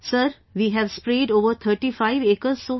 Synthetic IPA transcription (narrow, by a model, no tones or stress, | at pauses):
səɾ | ʋiːɦɛʋspɾeːɖoːʋəɾt̪ʰəɾʈifaɪʋeːkəɾzso